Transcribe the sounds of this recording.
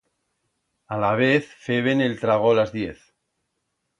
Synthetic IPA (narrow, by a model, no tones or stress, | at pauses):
alaβ̞eθfeβ̞enelt̪ɾaɣ̞olazðjeθ